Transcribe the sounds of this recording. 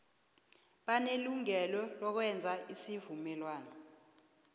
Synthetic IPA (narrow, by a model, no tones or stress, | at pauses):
ɓaneluŋɛlɔlɔk̬wɛnd͡zʱaʔisivumɛlwaːnɔ